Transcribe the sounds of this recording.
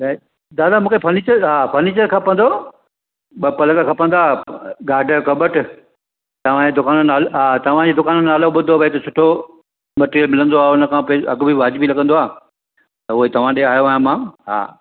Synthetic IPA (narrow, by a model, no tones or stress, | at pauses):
d̪aːd̪amũːkʰepʰɐniːt͡ɕəɾɦaːpʰɐniːt͡ɕəɾkʰɐpə̃nd̪o | ɓɐpɐlə̃ŋɡəkʰɐpə̃nd̪aːɡaːɖʱəkɐbəʈ | t̪ɐʋ̤ãd͡ʑed̪ʊkaːnənaːlɦaːt̪ɐʋ̤ãd͡ʑeːd̪ʊkaːnənaːloɓʊd̪obʱɐet̪osʰʊʈʰo | mɐʈeɾjəlmɪlə̃nd̪oaːʊnə̆kʰãpːɐ̰ɡbʱiʋaːd͡ʑɪbilɐɡənd̪oaː | t̪ɐʊɦet̪ɐʋ̤ãɗeaːjoaːjãmãːɦa̰ː